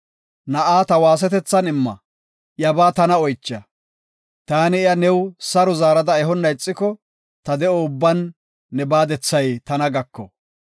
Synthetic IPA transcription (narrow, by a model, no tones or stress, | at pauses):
nɐʔaːt̪ɐwaːs̬ɛt̪ɛt͡sːɐnɪmːɐ̰ | ʔjɐbaːt̪ɐnɐɔjt͡ʃːɐ | t̪aːnɪɪjɐnɛwsɐɾʊzaːɾɐd̪ɐɛɦɔnːɐjɪt͡sʼːɪkɔ | t̪ɐd̪ɛɔʊbːɐnː | ɛbaːd̪ɛt͡sːɐjt̪ɐnɐɡɐkːɔ̰